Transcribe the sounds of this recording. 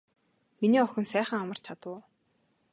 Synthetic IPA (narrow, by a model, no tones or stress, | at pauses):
miniːɔxʲɵ̆nsæːχə̆ŋamə̥̆t͡ɕʰat̪ʊː